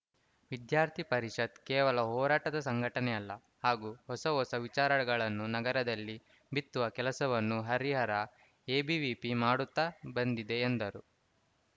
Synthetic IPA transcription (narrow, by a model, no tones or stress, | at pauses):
ʋid̪jaːɾt̪ʰipɐɾiʂɐd̪kɛːʋɐlɐɦɔːɾaːʈɐd̪ɐsɐŋɡʱɐʈɐnɛjɐlːɐ | haːɡuːhɔsɐɦɔsɐʋit͡ʃaːɾɐɽɐɡɐɭɐnːunɐɡɐɾɐd̪ɐlːi | bit̪ːuʋɐkɛlɐsɐʋɐnːuɦɐɾiɦɐɾɐ | eːbiʋipimaːɽut̪ːabɐnd̪id̪e̞ːnd̪ɐɾu